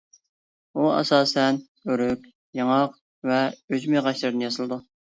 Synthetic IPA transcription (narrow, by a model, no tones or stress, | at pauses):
uɛ̰sɑːsɛn | øɾøkʲ | jɑŋɑq | vɛød͡ʒmeʁɑʃlˠɨɾɨnjɑsɨlˠɨd̪u